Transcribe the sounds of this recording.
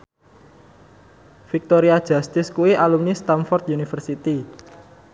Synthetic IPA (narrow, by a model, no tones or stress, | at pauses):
fik̚t̪oɾiad̥ʒ̥ast̪ɪskuiʔalumnist̪amfɔrt̪unifərsit̪i